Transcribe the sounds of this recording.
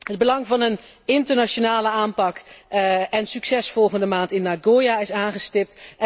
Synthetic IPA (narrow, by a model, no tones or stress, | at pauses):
ɦəd̚bəlɑŋvɑnən | ɪntəɹnat͡ʃonaːləaːmpɑk | ɛnsyksɛsfɔlˠχəndəmaːntɪnːaɡoːjaɪsaːnχəstɪp̚t